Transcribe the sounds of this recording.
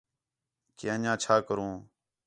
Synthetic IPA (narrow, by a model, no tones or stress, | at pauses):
keːə̃ɲãːt͡ʃʰaːkəɾõː